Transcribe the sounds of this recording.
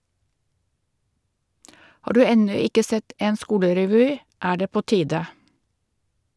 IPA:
ˈhɑː ˈdʉː ˈɛnʉ ˈɪkə ˈsɛt ˈeːn ˈskuːləɾɛˌʋyː ˈæː ˈɖeː ˈpoː ˈtiːdə

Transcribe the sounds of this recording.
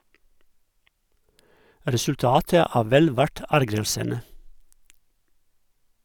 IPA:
ɾɛsʉlˈtɑːtə ˈæː ˈʋɛl ˈʋæʈ ˈæɾɡɾəlsənə

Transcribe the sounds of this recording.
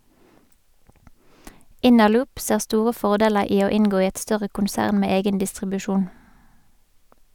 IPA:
ˈɪnəˌlʊːp ˈseːʁ ˈstuːʁə ˈfɔʁˌdeːləʁ ˈiː ˈoː ˈɪŋɡoː ˈiː ˈɛt ˈstœʁə kʊnˈsæːʁn ˈmeː ˈeːɡən dɪstʁɪbʉˈʃuːn

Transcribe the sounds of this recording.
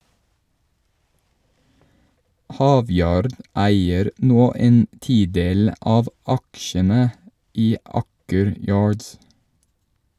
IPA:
ˈhɑːˌʋjɑːɾd ˈæɪəɾ ˈnoː ˈeːn ˈtiːˌdeːl ˈʔɑːʋ ˈɑkʃənə ˈʔiː ˈʔɑːkəɾ ˈjɑːɹds

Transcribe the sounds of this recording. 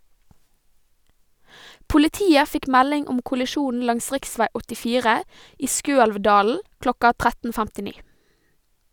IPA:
pʊlɪˈtiːə ˈfɪk ˈmælɪŋ ˈʊm kʊlɪˈʃuːn̩ ˈlɑŋs ˈʁɪkˌsʋæɪ ɔtɪˈfiːʁə ˈiː ˈskøːɛlʋˌdɑːl̩ ˈklɔkɑ ˈtʁætn̩ fæmtɪˈniː

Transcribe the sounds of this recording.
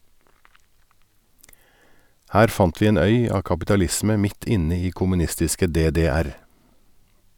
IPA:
ˈhæːɾ ˈfɑnt ˈʋiː ˈeːn ˈœʏ ˈɑː kɑpɪtɑˈlɪsmə ˈmɪt ˈɪnə ˈiː kʊmʉˈnɪstɪskə ˌdeːdeːˈæɾ

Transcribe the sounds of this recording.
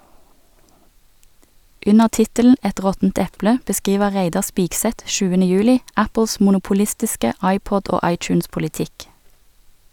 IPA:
ˈʉnəʁ ˈtɪtəln̩ ˈɛt ˈʁɔtn̩t ˈɛplə bəˈskiːʋə ˈʁeɪdɑ ˈspiːɡˌsɛt ˈʃʉːənə ˈjʉːlɪ ˈæpl̩s mʊnʊpʊˈlɪstɪskə ˈɑɪˌpɔd ˈoː ˈɑɪˌtjʉːnspʊlɪˌtɪk

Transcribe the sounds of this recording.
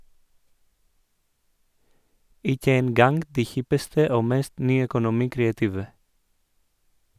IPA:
ˈɪkə ˈeːn ˈɡɑŋɡ ˈdiː ˈhɪpəstə ˈoː ˈmɛst ˈnyːœkʊˌnʊmiːkɾeːɑˌtiːʋə

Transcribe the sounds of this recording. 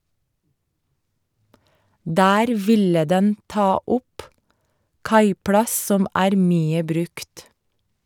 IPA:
ˈdæːɾ ˈʋɪlə ˈdɛn ˈtɑː ˈʊp ˈkɑɪplɑs ˈsɔm ˈæːɾ ˈmyːə ˈbɾʉkt

